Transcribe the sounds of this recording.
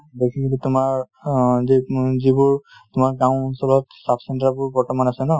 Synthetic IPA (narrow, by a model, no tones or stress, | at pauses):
dekʰikʰilitumaɹ | zizibʊɹtʊmaɹɡãw̃ɔnsɔlɔtsapʰsɛntabʊɹbɔɹtɔmanasɛnɔ